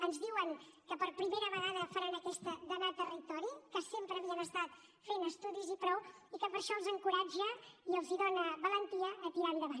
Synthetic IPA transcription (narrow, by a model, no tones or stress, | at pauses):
ənzðiwəŋkəpəɾpɾimeɾəβəɣaðəfəɾənəkɛst̪əd̪ənat̪ərit̪ɔɾikəsempɾəːβiənəst̪at̪ | fenəst̪uðizipɾɔw | ikəpəɾʃɔəlˠzəŋkuɾad͡ʒəiəlˠziðonəβələnt̪iəʔːt̪iɾaβiðəβan